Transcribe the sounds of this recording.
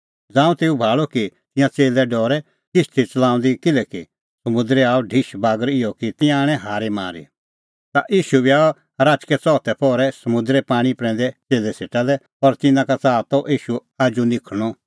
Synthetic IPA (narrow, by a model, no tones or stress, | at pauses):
d͡zãːũt̪eːubʱaːlɔkit̪ɪ̃jãt͡seːlɛɖɔːɾɛ | kɪst̪ʰit͡sɐlãːʊ̃nd̪ikɪlɛki | sɐmʊ̃d̪ɾɛaːɔɖʱiʃbaːɡəɾɪjɔkit̪ɪ̃jãaːɽ̃ɛ̃ɦaːɾema̰ːɾḭ | t̪a̰ʔiːʃubiaːɔ | ɾaːt͡ʃkɛt͡sɔːt̪ɛpɔːɾɛsɐmʊ̃nd̪ɾɛpaːɽ̃ipɾɛ̃ːn̆d̪ɛt͡seːlɛseːʈalɛ | ɔːɾt̪ɪnãkat͡saːt̪ɔʔiːʃuaːd͡ʒunɪkʰɽ̃ɔ